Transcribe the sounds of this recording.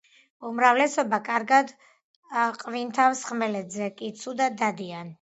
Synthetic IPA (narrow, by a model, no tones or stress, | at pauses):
umɾavlɛsɔbakʼaɾɡad̪ | qʼvint̪ʰavsχmɛlɛd̪zɛkʼit̪sʰud̪at̪̚d̪ad̪ian